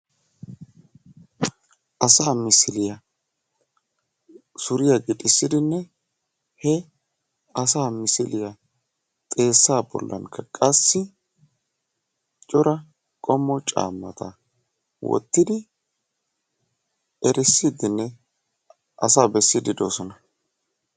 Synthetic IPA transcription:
ʔɐsaːmɪsɪlɪjɐ | sʊɾɪjɐɡɪtʼɪsːɪd̪ɪnːɛ | hɛ | ɐsaːmɪsɪlɪjɐ | t̪ʼe̞ːsːaːbɔ̰lːɐ̰ŋkʰːɐkʼɐsːɪ | t͡ʃʼɔɾɐ | kʼɔmːɔt͡ʃʼa̰ːmːɐt̪ɐ | wɔ̰t̪ːɪd̪ɪ | ɛɾʔɪsːɪd̪ɪnːɛ | ʔɐ̰saːbɛsːɪd̪ɪd̪o̰ːsɔnɐ

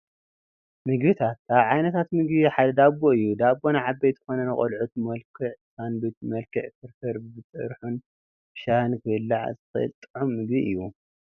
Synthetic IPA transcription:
mɨɡbit̪ʰat̪̚kʰaβʕajnɐt̪ʰat̪mɨɡβiħad̪ɐd̪aboɨjːud̪abonaʕabɐjt̪ɨ̥xonɐnɨχʼɐ̰lʕut̪mɐlkʰɨʕsanbit̪mɐlkʰɨʕfɨɾtʰɐɾbɨbɨt͡sʼɨ̰ɾħun | b̥ɨʃahɨnkʰɨɨlːaʕzɨxɨʔɨ̰lt̪ʼɨʕumːɨɡbiʔɨjːu

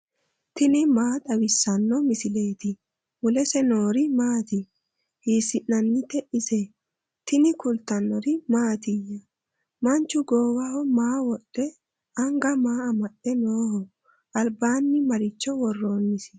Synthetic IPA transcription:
t̪ɪnɪmaːt̪ʼɐbɪsːɐnːɔmɪsɪle̞ːt̪ɪ | mʊlɛsɛnoːɾɪmaːt̪ɪ | hiːsɪnːɐnːɪt̪ːɛʔɪsɛ | t̪ɪnɪkʊlt̪ɐnːɔɾɪmaːt̪ɪjɐ | mɐnt͡ʃːʊɡoːwɐhɔmaːwɔɗːɛ | ɐŋɡɐmaːɐmɐɗːɛnoːhɔ | ɐlbaːnːɪmɐɾɪt͡ʃːɔwɔrːo̞ːnːɪsɪ̥

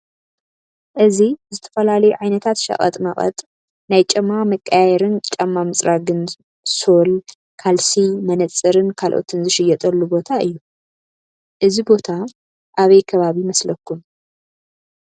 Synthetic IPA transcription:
ʔɨzizɨt̪ʰɐ̥fɐlalɐjuʕajnɐt̪ʰat̪ʃɐ̰kʼɐ̰t̪ʼmɐχʼɐ̰t̪ʼ | najt͡ʃʼɐmːamɨkʼːajɛɾɨnt͡ʃʼɐmːamɨt͡sʼɾaɡɨn | so̞l | kʰalsimɐnɐt͡sʼːɨɾɨnkʰalʔo̞̰t̪ʰɨnzɨʃɪjɛt̪ʼɐlːubo̞t̪ʰaʔɨ̰jːu | ʔɨzibo̞t̪ʰa | ʔaβɐjkʰɐβaβimɐslɐkːun

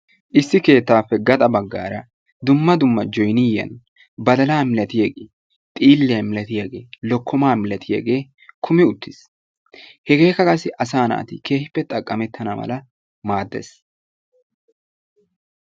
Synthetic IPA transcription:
ʔɪsːɪke̞ːt̪ːaːpːɛɡɐt̪ʼɐbɐɡːa̰ːɾɐ | d̪ʊmːɐd̪ʊmːɐd͡ʒɔjnijɐ̰n | bɐd̪ɐlaːmɪlɐt̪ɪjɐɡeː | t̪ʼiːlːɛjɐmɪlɐt̪ɪjɐɡe̞ːlɔkːɔmaːmɪlɐt̪ɪjɐ̰ɡe̞ː | kʰʊmɪʊt̪ːɪs | hɛɡe̞ːkːɐkʼɐsɪʔɐsaːna̰ːt̪ɪke̞ːhɪpːɛt̪ʼɐkʼːɐmɛt̪ʰːɐnɐmɐ̰lɐ | maːd̪ːḛs

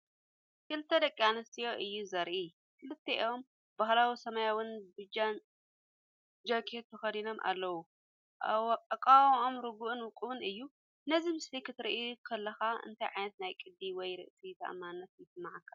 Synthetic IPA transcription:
kʰɨlɨt̪ʰːɐd̪ɐkʼianɐst̪ijoʔɨjːuzɐɾʔi | kʰɨlɨt̪ʰːeʔiom | bahlawisɐmajawɨnbɨd͡ʒan | d͡ʒokʰet̪t̪ːʰɐxɐd̪ino̞mʔa̰lːɐwu | ʔaɐkʼawʔomɾɨɡuʔɨnwʊkʼɨwɨnɨjːu | nɐzimɨslikʰɨt̪ʰɨɾḭʔikʰɐlːɐxaɨ̰nt̪ʰɐjʕajnɐt̪najkʼɨd̪ːiwɔjɾɨ̰ʔt̪ʰit̪ʰɐ̰ʔɐ̰mːanːɐt̪jɪsɨmːaʕkʰḁ

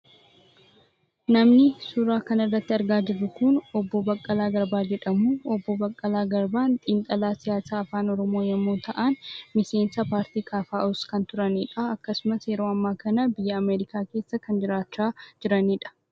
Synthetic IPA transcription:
nɐmnɪsʊɾaːkɐnɪrːɐt̪ːɪɐɾɡaːd͡ʒɪrːʊkʊnɔbːɔbɐkʼːɐlaːɡɐɾbaːd͡ʒɛᶑɐmuːɔbːobɐkʼːɐlaːɡɐɾbaːnt̪ʼiːŋk̪ʼɐlaːsɪjaːsaːɐfaːnɔɾɔmo̞ːjɐmːoːt̪ɐʔanmɪse̞ːnsɐpaːɾt̪iːkʰaːfaːʔʊskɐnt̪ʊɾɐniːᶑɐɐkːɐsʊmɐsjɛɾoːɐmːaːkɐnɐbɪjːɐːmeːɾɪkaːkeːsːɐkɐnd͡ʒɪɾaːt͡ʃːaːd͡ʒɪɾɐniːᶑɐ̥

